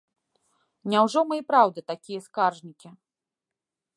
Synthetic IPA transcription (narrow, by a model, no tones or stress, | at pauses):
nʲawʐɔmɨjpɾawd̪ɨt̪akʲijɐskarʐnʲikʲi